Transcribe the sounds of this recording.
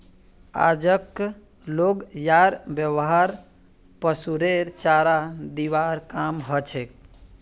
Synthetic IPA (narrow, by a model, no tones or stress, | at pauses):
a̰d͡ʒək | loɡjaɾbjəwɦaɾ | pəsuɾeɾt͡ʃaɾad̪iʋaɾkamɦət͡ʃʰek̚